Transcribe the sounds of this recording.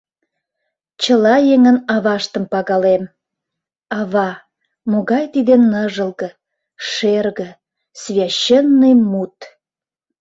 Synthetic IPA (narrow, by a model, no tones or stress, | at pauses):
t͡ɕəlɑjeŋənɑβɑʃt̪əmpɑɣɑlem | ɑβɑ | moɣɑjt̪id̪enːəʒəlɣə̆ | ʃerɣə̆ | svʲjɑɕenːəjmut̪